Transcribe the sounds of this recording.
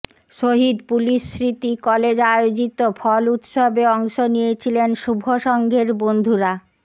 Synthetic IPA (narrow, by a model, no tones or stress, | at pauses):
ʃoɦid̪puliʃːɾit̪ikɔled͡ʑaod͡ʑit̪ofʰɔlut̪ʃobeɔŋʃonijet͡ɕʰilenʃubʱoʃɔŋɡʱeɾbond̪ʱuɾa